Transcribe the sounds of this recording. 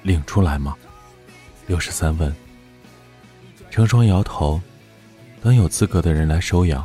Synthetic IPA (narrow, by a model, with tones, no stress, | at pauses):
li˨˩ŋʈ͡ʂʰu˥la˧˥ɪmɐ˧ | ljo˥˩ʊʂɻ̩˧˥sa˥nfə˥˩n | ʈ͡ʂʰɤ˧˥ŋʂwɑ˥ŋjɑ˧˥ʊt̪ʰo˧˥ʊ | t̪ɤ˥ŋjo˨˩ʊt͡sɹ̩˥˧kɤ˧˥d̪ə˧ɻə˧˥nla˧˥ɪʂo˥ʊjɑ̰˨˩˦